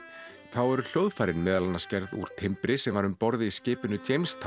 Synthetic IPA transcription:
θawɛɾʏl̥jowðfaːjɾɪnmɛːðalanːascɛɾðṵɾ̥t̪ʰɪmpɾɪsɛmvaɾʏmpɔɾðɪiscɪːpɪnʏt͡ɕejmst̪ʰ

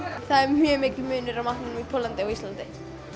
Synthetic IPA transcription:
θaðɛɾmhœmɪcɪmʏːnʏɾawmaht̪nɪnmipʰɔlant̪ɪɔɣist̪lant̪ɪ

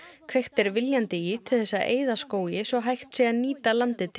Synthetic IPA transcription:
kʰvejxt̪ɛɾvɪljant̪ɪit̪ʰɪl̥θɛsːaʔḛːjðaskoːwjɪsɔɦajxt̪sɛaniːt̪alant̪ɪt̪ʰ

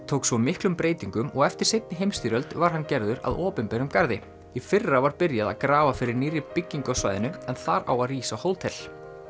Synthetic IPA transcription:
t̪ʰowksvɔmɪhklʏmpɾeːjt̪iŋkʏmɔɣɛft̪ɪɾ̥sejt̪nɪɦejmst̪iːɾœlt̪vaɾ̥ɦanːcɛɾðʏɾa̰ðɔːpɪnpɛɾʏmkaɾðɪ | ifɪrːavaɾpɪɾjaða̰ðkɾaːvafɪɾɪɾniːɾɪpɪcːiŋkɔsva̰jðɪnʏɛnθaɾa̰waðriːsahowlt̪ʰɛl

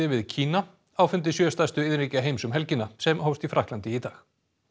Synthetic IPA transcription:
ɪvɪðcʰiːna | aːwfʏnt̪ɪsjœːst̪ast̪ʏɪðɾiːcaɦeːjmsʏmɦɛlcɪnːasɛmhowst̪ifɾʔahk̪lant̪ɪit̪aːx

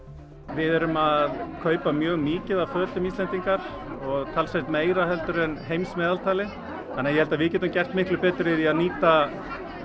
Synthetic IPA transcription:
vɪðɛɾʏmaðkʰœːɥpamjœːɣmiːcɪðavfœːt̪ʏmiːst̪lɛnt̪iŋkaɾ̥ɔɣt̪ʰaːlsat̪meːjɾaɦɛlt̪ʏɾɛnɦejmsmɛːðalt̪ʰaːlɪ | hanːajɛhɛlt̪avɪðcɛːt̪ʏmcɛr̥t̪mɪhklʏpɛːt̪ɾɪɪðiaðniːt̪a

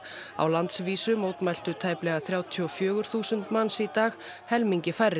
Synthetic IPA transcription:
a̰wlant̪sviːsʏmowt̪majl̥t̪ʏt̪ʰaːjplɛɣaθɾjaːwt̪ʰiɔfjœːɣʏɾ̥θuːsʏnt̪manːsit̪aːx | hɛlmiɲcɪfajrːɪ

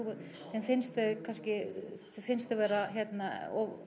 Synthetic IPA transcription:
ʏɾ | θɛnfɪnst̪ɪkʰanscɪθfɪnst̪ɪvɛːɾaçjɛt̪naɔ

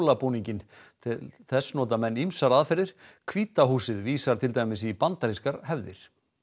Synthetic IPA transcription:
lapuniɲcɪn | t̪ʰɪlθɛsːnɔːt̪amɛnːimsaɾaðfɪɾðɪɾ̥kʰviːt̪aɦuːsɪðviːsaɾ̥t̪ʰɪlt̪aːjmɪsipant̪aɾiskaɾhɛvðɪ̰ɾ̥

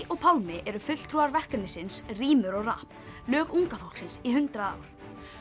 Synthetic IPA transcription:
ʔɔɣpʰawlmɪʔɛɾʏfʏt̪l̥t̪ʰɾuːaɾvɛr̥kannɪsɪnsriːmʏɾɔɣra̰hp | lœːkuŋkafaw̪̥ksɪnsiɦʏnt̪ɾaa̰ːwɾ̥

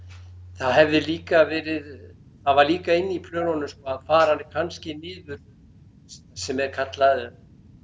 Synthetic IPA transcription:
θaðɦɛvðɪliːkavɛːɾɪð | θaðvaɾliːkaɪnːipʰlœːnɔnʏskɔaðfaːɾ̥hanːɪkʰanscɪmɪːðvʏɾʏ | sɛmɛɾ̥kʰat̪laðʏ

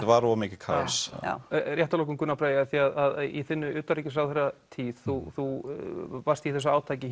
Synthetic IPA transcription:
t̪vaɾɔːmɪːcɪkʰa̰sja̰rjɛht̪alɔːkʏmkʏnːapʰɾaːjaθiaðaðḭθɪnːʏʔʏːt̪aɾiːcɪsawðθɛrːat̪ʰiːð̥θuθu | vaɾ̥st̪iθɛs̬ːaaːwt̪ʰaːjcɪ

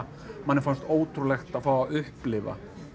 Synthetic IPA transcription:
manːɪɾfanst̪oːwt̪ʰɾulɛxt̪aðfaːwaʏhplɪva̰

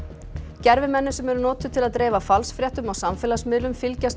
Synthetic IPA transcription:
cɛɾvɪmɛnːʏsɛmɛɾʏnɔːt̪ʏt̪ʰɪlaðt̪ɾeːjvafalsfɾjɛht̪ʏmawsamfɛːlasmɪːlʏmfɪlcast̪

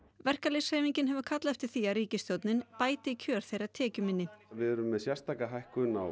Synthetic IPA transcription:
vɛr̥kalejsheːjviɲcɪnɦɛvʏkʰat̪laɛft̪ɪɾ̥θiaɾriːcɪst̪jowt̪nɪnpaːjt̪ɪicʰœːɾ̥θejɾat̪ʰɛːcʏmɪnːɪvɪðɛɾʏmːɛðsjɛr̥st̪ʰaːkaɦajhkʏna̰w

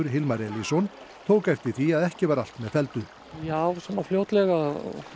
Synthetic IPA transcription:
ʏɾ̥ɦɪlmaɾɛlisɔn | t̪ʰoːwkajft̪ɪθiaðɛhcɪvaɾal̥t̪mɛðfɛlt̪ʏ | jaːwsanafljowt̪lɛɣa

